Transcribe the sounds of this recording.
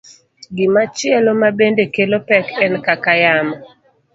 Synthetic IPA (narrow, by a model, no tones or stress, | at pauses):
ɡɪmat͡ʃɪɛlomabendekelopɛkɛnkakajama